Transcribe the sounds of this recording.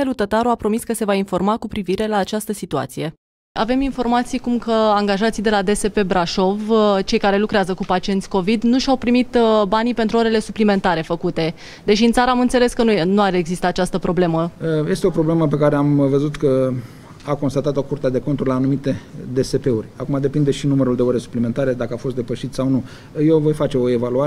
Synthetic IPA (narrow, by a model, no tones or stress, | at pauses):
elut̪ət̪aɾuapɾo̞miskəse̞vainfo̞rmakupɾiviɾe̞laːt͡ʃast̪əsit̪ua̰t̪sije̞ | ave̞minfo̞rmat̪sijkumkəaŋɡaʒat̪sijd̪e̞lad̪e̞se̞pe̞bɾaʃo̞vt͡ʃe̞jkaɾe̞lukɾeazəkupat͡ʃient̪ʲko̞vid̪nuʃawpɾimit̪banipent̪ɾuo̞ɾe̞le̞suplime̞nt̪aɾe̞fəkut̪e̞ | d̪eʃiɨnt̪saɾəamɨnt̪se̞le̞skənunuaɾeːɡzist̪aːt͡ʃast̪əpɾo̞ble̞məəje̞st̪eo̞pɾo̞ble̞məp̬e̞kaɾe̞amvəzut̪kə | ako̞nst̪at̪at̪o̞kurt̪ead̪e̞ko̞nt̪uɾlaːnumit̪ed̪e̞se̞pe̞urʲakumad̪e̞pind̪e̞ʃinuməɾuld̪eo̞ɾe̞su̥pliment̪aɾe̞d̪akəafost̪d̪e̞pəʃit̪sawnu | jewvo̞jfat͡ʃe̞o̞e̞valua